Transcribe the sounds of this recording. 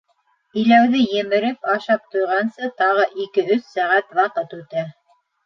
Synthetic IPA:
ĭlæwðɘjɘ̆mɘ̆ɾɘpɑʃɑp̚t̪ŏjʁɑnsɤt̪ɑʁɤʔikɘɵθsæʁæt̪wɑqɤt̪ʉt̪æ

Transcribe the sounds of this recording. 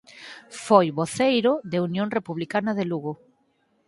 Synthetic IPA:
fojβoθejɾʊðeunjoŋrepuβlikanɐðeluɣo

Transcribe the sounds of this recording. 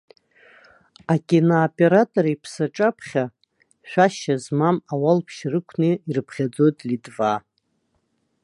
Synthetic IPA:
akʲʼinaːpʼe̞ɾatʼoɾipʰsaʈ͡ʂʼapʰχʲa | ʃᶣaʃazmamawalpʰʃrɨkʷʰneirɨpʰχʲad͡zo̞jtʼlidʼva

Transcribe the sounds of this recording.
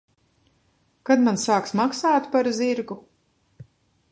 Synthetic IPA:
kad̪mansaːksmaksaːt̪paɾziɾɡu

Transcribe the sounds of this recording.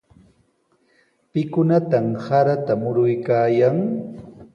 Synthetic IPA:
pɪkʊnat̪amsaɾat̪amʊɾʊjkaːjaŋ

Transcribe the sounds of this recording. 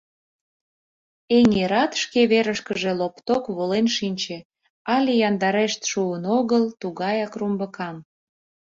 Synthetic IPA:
eŋeɾɑt̪ʃkeβeɾəʃkəʒelopt̪okβolenʃinʲt͡ɕe | ɑlʲejɑnd̪ɑɾeʃt̪ʃuənoɣəlt̪uɣɑjɑkrumbəkɑm

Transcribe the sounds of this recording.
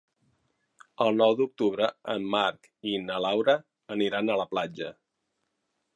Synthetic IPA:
əlˠnɔwd̪uk̚t̪uβɾəəmːaɾk | inəlawɾəː | niɾanələplad͡ʒə

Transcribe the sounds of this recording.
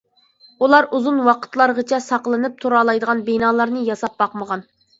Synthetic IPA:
ulˠɑɾuzunwɑqʰə̥t̪lˠɑɾʁət͡ʃʰɛsɑqlˠɨnɨp̚t̪ʰuɾɑːlˠɑjd̪əʁɑnbenɑːlˠɑɾnɨjɑsɑp̚bɑqməʁɑn

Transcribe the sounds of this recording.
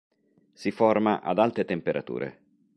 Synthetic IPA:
siformaʔa̰d̪alt̪ɾet̪empeɾʔat̪ṵːɾʔḛ

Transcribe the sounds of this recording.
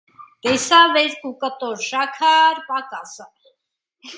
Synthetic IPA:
ɡ̥ɛsavɛɾkʼukʼət̪ʼɔɾʃakʰaːɾpakʼasə

